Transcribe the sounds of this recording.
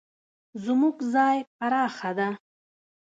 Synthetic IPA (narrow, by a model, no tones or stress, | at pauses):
zmuɡzɑjpaɾɑːxad̪a